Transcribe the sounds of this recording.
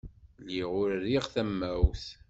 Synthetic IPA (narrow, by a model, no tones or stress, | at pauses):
liʁʊɾɾiʁθæmːæwθ